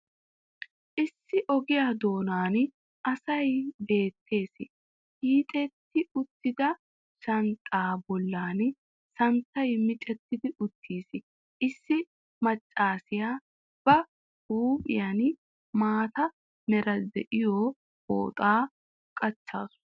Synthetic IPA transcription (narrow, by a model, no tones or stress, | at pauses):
ʔɪsːɪʔɔɡɪjaːd̪o̞ːnaːn | ʔɐsɐjbe̞ːt̪ʰːe̞ːsɪ | ʔiːt̪ʼɛt̪ːɪʊt̪ːɪd̪ɐ | ʃɐnt̪ʼaːbɔlːaːn | sɐnt̪ːɐjmɪt͡ʃʼɛt̪ːɪd̪ɪʔʊt̪ʰːiːsɪ | ʔɪsːɪ | mɐt͡ʃʼːaːsɪjaː | b̥ɐ | uːpʼɪ̰jan | maːt̪ɐ | nɛɾɐd̪ɛʔɪjoː | bo̰ːt̪ʼaː | kʼɐt͡ʃːa̰ːsʊ̥